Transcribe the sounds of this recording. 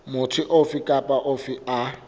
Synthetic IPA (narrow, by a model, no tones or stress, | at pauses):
mʊtʰɪʔofɪkʼapʼaʔofɪa